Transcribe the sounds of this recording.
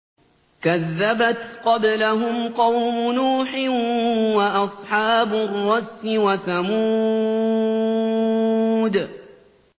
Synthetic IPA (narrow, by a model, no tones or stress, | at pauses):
kaðːabat̪qɑblaɦʊmqɑwmʊnuːħɪwaʔɑsˤħɑːbʊrˤːɑsːɪwaθamuː | d̪